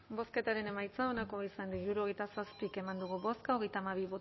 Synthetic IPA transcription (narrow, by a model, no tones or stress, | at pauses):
bo̞ske̞t̪aɾe̞ne̞majt͡saonako̞isand̪iiɾuɾuo̞ɣejt̪asaspike̞mand̪uɣ̞uβo̞skaoɣejt̪aːmaβ̞iβo